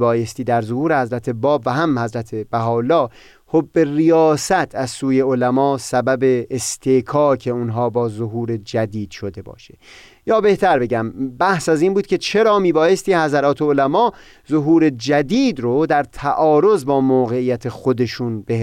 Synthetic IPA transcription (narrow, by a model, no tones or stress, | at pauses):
bɒːje̞st̪iːd̪æɾzohuːɾehæzɾæt̪ʰe̞bɒːbvæɦæmhæzɾæt̪ʰe̞b̥æɦɒːlːɒː | hobːe̞rijɒːsæt̪ʰæzsuːje̞olæmɒːsæbæbe̞ːst̪ʰekʰɒːcʰe̞unɦɒːbɒːzoɦuːɾe̞d͡ʒæd̪iːd̪̥ʃo̞d̪e̞bɒ̰ːʃe̥ | jɒːbe̞ht̪ʰæɾbe̞ɡɟæmbæhsæziːnbuːd̪̥̚kʲʰe̞t͡ʃʰe̞ɾɒːmiːbɒːje̞st̪iːhæzæɾɒːt̪ʰe̞olæmɒː | zoɦuːɾe̞d͡ʒæd̪iːd̪ɾod̪æɾt̪ʰæʔɒːɾo̞zbɒːmoːɣeijæt̪ʰexod̪e̞ʃuːnbe